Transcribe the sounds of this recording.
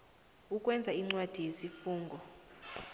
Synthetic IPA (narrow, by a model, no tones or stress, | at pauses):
ukʼwɛnd͡zʱaiŋ͡ǀwad̥ʱijesifuːŋɡʱɔ